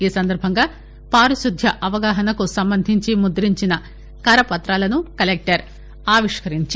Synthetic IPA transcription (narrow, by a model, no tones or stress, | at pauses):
iːsɐnd̪ɐɾbʱɐŋɡaː | paːɾuʃud̪ʱjɐʔɐʋɐɡaːɦɐnɐkusɐmbɐnd̪ʱiɲt͡ʃimud̪ɐɾiɲt͡ʃinɐ | kɐɾɐpɐt̪ɾaːlɐnukɐlek̚ʈɐɾ | aːʋiʂkɐɾiɲt͡ʃ